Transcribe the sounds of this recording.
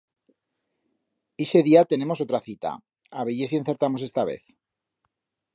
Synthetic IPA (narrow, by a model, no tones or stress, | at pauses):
ese̞ðiat̪e̞ne̞mo̞s̬o̞t̪ɾaθit̪a̰ | aβeʝes̬ien̟θe̞ɾt̪amo̞se̞st̪aβe̞̰θ